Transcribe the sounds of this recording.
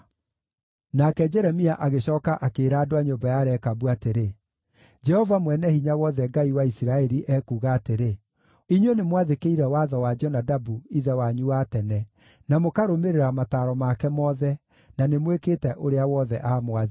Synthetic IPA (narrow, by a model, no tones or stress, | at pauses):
nakɛd͡ʒɛɾɛmiaʔaɣeɕɔːkaʔakeːɾaːdoaɲombajaɾɛkabuateɾe | d͡ʒɛhɔvamwɛnɛhiɲawɔðɛɡaiwaisiɾaɛɾiʔɛkuːɣaːteɾe | iɲwenemwaðekeiɾɛwaðɔwad͡ʒɔnadabuiðɛwaɲuwatɛnɛ | namokaɾomeɾeɾamataːɾɔmakɛmɔðɛ | nanemwekeːtɛʔoɾeawɔðɛʔaːmwað